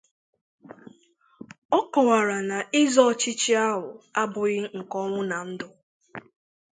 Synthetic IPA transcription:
ɔ˦kɔ˨wa˨ɾa˨na˨ɪ˦zɔ˦˨t͡ʃɪ˦t͡ʃi˦a˦ɦʊ˨a˦bʊ˨ɣɪ˦ŋ̩˨kɔ˦ŋʷʊ˦na˨n̩˦dʊ˦

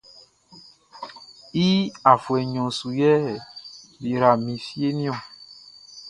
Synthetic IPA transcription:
i˦a˨fwɛ˨ɲɔ̃˨su˨jɛ˦˨bi˨ɾa˨mĩ˨fi˦e˦mĩ˦ɔ̃˨

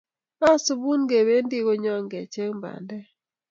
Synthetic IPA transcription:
a˦su˦bu˦nɡe˨be˦n˦di˦ɡo˦ɲɔ˦ŋɡɛ˨t͡ʃe˦ŋmba̰˨ndɛ˦

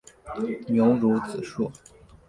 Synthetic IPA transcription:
njo˧˥ʊɻu˧˥t͡sɹ̩˨˩ʂu˥˩

